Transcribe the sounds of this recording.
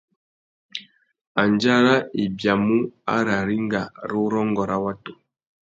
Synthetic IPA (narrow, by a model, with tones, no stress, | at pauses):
a˨nd͡ʒa˦ɾa˦i˨bja˨mu˦a̰˦ɾa˨ɾi˦ŋɡa˨ɾu˦ɾɔ˦ŋɡɔ˨ɾa˦wa˦to˨